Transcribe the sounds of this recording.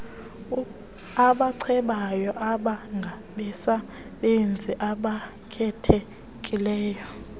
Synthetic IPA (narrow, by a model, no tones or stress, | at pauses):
aɓaǀʰɛɓajɔʔaɓaŋɡʱaɓɛsa | ɓend͡zʱiʔaɓa | kʰɛtʰe | kʼilɛːjɔ